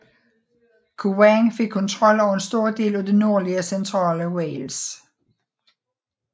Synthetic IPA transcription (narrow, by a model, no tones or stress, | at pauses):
kʰuwæŋfe̝ɡ̥̚kʰːɒ̽nt͡sʰʁɒ̽l̰ɒʊɐensd̥o̝ɐ̰d̥e̝̰ːlæd̥e̝no̝ɐ̰liəsent͡sʰʁɑ̰̈ːləweɪls